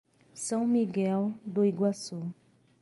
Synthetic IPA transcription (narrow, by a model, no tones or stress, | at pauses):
sãw̃miɡɛld̪oiɡwasu